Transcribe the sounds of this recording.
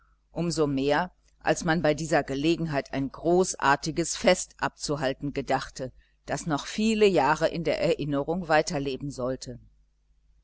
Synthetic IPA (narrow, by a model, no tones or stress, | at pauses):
ʔʊmzomeːɐ | ʔa̰lsmanbaɪdiːzɐɡəleːɡŋ̩ɦaɪtaɪnɡʁoːsʔa̰ːɐtɪɡəsfɛstʔap̚t͡suɦaltn̩ɡədaχtə | d̥asnɔχfiːləjaːʁəʔɪ̰ndeːɐʔɛɐʔɪnəʁʊŋvaɪtɐleːbm̩zɔltʰə